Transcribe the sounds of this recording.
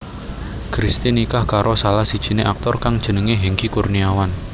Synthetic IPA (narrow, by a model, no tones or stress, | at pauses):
kɾist̪inikahkaɾʔosalahsid̥ʒ̥i̤neʔak̚t̪ɔrkaŋd̥ʒ̥ə̤nəŋeɦiŋkikurniawan